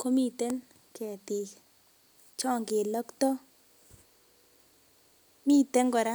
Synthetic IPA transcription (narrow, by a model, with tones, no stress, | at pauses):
ko˦mi˦te˦n | kɛ˨ti˨ | t͡ʃɔ˦˨ŋɡe˨lɔ˦ktɔ˦ | mi˦˨te˦ŋɡɔ˨ɾa˦